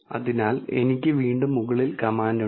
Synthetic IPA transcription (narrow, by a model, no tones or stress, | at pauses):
ɐ̰ðinaːle̞̰nikʲːɨʋiːɳɖumːuɣɐɭilkɐmaːndɐ